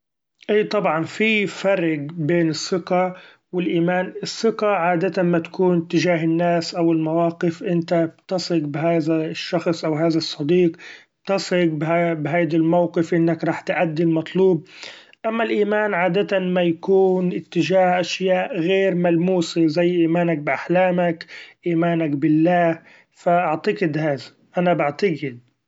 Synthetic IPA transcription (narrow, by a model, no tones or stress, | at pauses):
ʔiːt̪ˤɑbʕɑnfifɑrˤɪɡbeːnɨsːɪqa | wɪlʔiːmaːnɨsːɪqaʕaːd̪at̪anmat̪ḁkuːnɪt̪ːɪʒaːɦɪnːaːsʔawɪlmawaːqɪfʔɪnt̪abt̪ɑsˤɪɡbɪɦaːðaʃːɑxsˤʔawɦaːðasˤːɑd̪iːq̚ | t̪ɑsˤɪɡ̚bɦabɦaːd̪almawqɪfʔɪnːakɾˤɑːħt̪ʔad̪ːɪlmɑt̪ˤluːb̚ | ʔamːalʔiːmaːnʕaːd̪at̪amajakuːnʔɪt̪ːɪʒaːhʔaʃjaːʔɣeːɾmalmuːsezajːʔiːmaːnak̚bʔaħlaːmakʔiːmaːnakbɪlːaːh | faʔaʕt̪ɑɡɪd̪haːða | ʔanabaʕt̪aɡɪd̪̚